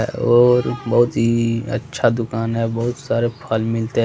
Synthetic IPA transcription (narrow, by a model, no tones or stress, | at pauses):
ɔːɾbɐɦʊt̪ɦiə̰tːʃʰad̪ʊkaːnɦɛbɐɦʊt̪saːɾepʰalmɪlt̪e